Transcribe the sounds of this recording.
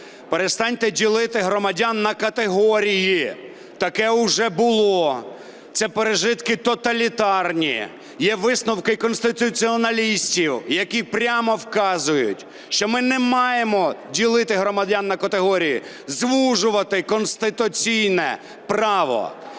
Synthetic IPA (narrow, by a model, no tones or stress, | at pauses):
peɾest̪ɑnʲt̪ɛdʲilˠɪt̪ɪɦɾɔmɐdʲanːɐkɐt̪eɦɔɾʲiji | t̪ɐkɛʊʒɛbʊlˠɔ | t̪sɛpeɾeʒɪt̪kɪt̪ɔt̪ɐlʲit̪ɑrnʲḭ | jɛʋɪsnɔwkɪkɔnst̪ɪt̪ʊt͡sʲiɔnɐlʲisʲtʲiwjɐkʲipɾʲamɔwkɑzʊjʊ̰tʲ | ʃt͡ʃɔmɪnɛmɑjemɔdʲilˠɪt̪ɪɦɾɔmɐdʲanːɐkɐt̪eɦɔɾʲijḭ | zʋuʒʊʋɐt̪ɪkɔnst̪ɪt̪ʊt͡sʲijnɛ | prɑʋɔ̰